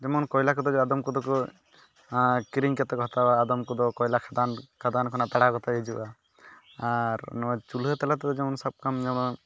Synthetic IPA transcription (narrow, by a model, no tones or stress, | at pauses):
d͡ʒɛmɔnkɔjlakɔd̪ɔd͡ʒɔad̪ɔmkɔd̪ɔkɔ | kiɾiŋkɛt̪ɔɡʱɔt̪awaːd̪ɔmkɔd̪ɔkɔjlakʰad̪ankʰad̪ankʰɔnat̪aɽaɡɔt̪aid͡ʒuʔa | aɾnɔt͡ʃulɦet̪ɛlat̪ɛd̪ɔd͡ʒɛmɔnsɔb̚kamd͡ʒɛmɔn